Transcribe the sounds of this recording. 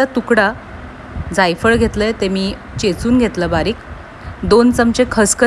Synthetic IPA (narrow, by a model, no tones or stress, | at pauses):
at̪ukɽa | d͡zajfəɭɡʱet̪ləjt̪emiː | t͡ɕet͡suːnɡʱet̪ləbaɾiːk | d̪ont͡səmt͡ɕekʰəskə